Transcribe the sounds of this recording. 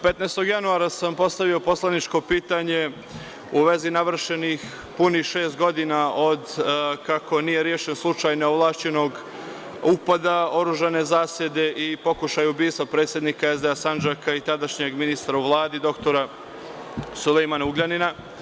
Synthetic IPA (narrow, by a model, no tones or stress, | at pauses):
pe̞t̪najst̪o̞ɡjanuaːɾasampo̞st̪aʋio̞po̞slˠanit͡ʃko̞piːt̪aɲe̞ | uʋe̞zinaʋr̩ʃe̞nix | punixʃe̞ːst̪̚ɡo̞d̪inao̞d̪kako̞nije̞ɾjeːʃe̞nslˠut͡ʃajneoʋlˠaːʃt͡ɕe̞no̞ɡ | upad̪ao̞ɾuʒane̞zaːsjed̪e̞ʔipo̞kuʃajubiːst̪vopɾeːt̪sʲje̞d̪nikae̞zd̪easand͡ʒakait̪ad̪aʃɲe̞ɡminist̪ɾauʋlˠaːd̪id̪o̞kt̪o̞ɾa | sulejmanauɡʎanina